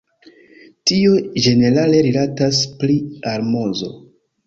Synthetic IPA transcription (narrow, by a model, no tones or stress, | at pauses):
tiod͡ʒe̞ne̞ɾale̞ɾilataspliaɾmo̞zo̞̰